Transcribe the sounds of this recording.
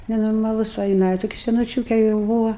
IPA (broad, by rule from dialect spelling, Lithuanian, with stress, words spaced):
nʲɛnoːrmɐˈlˠʊs oː jɪˈnɐɪ toːˈkʲɪ sʲɛnʊˈt͡ʃʲuːkʲɛ jɛʊ ˈbuːʋɐ